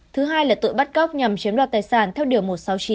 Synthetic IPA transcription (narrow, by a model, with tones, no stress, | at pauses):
t̪ʰɨ˨˦ɦaː˧jlaː˨˩t̪ṵ˧˨jɓa˦˥t̚ɣa˦˥wk͡p̚ɲa˨˩mt͡ɕi˨˦nɗa̰ː˧˩t̪aː˨˩jsaː˧˩nt̪ʰɛ˧wɗɨ˨˩əmo˨˩t̚sa˨˦wt͡ɕi˨˦